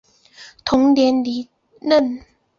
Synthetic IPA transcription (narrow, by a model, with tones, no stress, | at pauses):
t̪ʰo˨˦ŋdi˨˧əndiː˨˦ | nə˥˩n